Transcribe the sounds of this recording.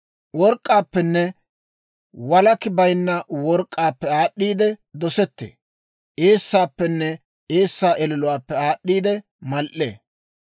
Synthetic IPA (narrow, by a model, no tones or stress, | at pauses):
wɔɾkʼːaːpːɛnːɛ | wɐlɐkɪbɐjnːɐwɔɾkʼːaːpːɛaːɗːiːd̪ɛd̪ɔsɛt̪ːḛː | ʔeːsːaːpːɛnːɛ | eːsːaːʔɛlɪlʊwaːpːɛaːɗːiːd̪ɛ | mɐlʔḛː